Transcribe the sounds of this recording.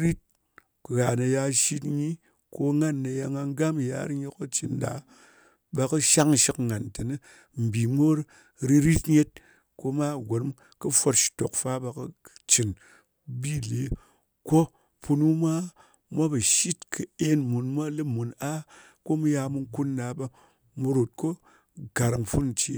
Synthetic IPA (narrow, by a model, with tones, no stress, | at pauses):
ɾi˦t̚ | kɣa˨na˧ja˧ʃi˦tɲi˦ | ko˧ŋa˦nːa˧ja˧ŋa˧ŋ˦ɡa˦m˨ja̰˨˦ɾɨ˦ɲe˦ko˦t͡ʃi˨nda̰˨˦ | ba˧kɨ˦ʃa˦ŋ˨ʃi˦kŋa˨ntɨ˨nɨ˦ | m̩˨bi˨mo˦ɾ | ɾi˧ɾi˦tɲe˦t̚ | ko˦ma˦˨ɡʷo˨n˦m | kɨ˦fo˧tʃi̥˨to̰˨kfa˦ba˧kɨ˦t͡ʃi˨n | bi˦˨le˨˦ | ko˦ | pu˧nu˦mʷa˦ | mʷa˦bɐ˨ʃi˦tkʰɨ˨e˦nmu˨nmʷa˦lɨ˦mu˨na˦ | ko˦mu˦ja˧mu˧ŋ˦ku˦nda˨˦ba˧ | mu˧ɾo˨t̚ko˦ | ɡa˨ɾa˨ŋfu˦nn̩˨t͡ʃi˨˦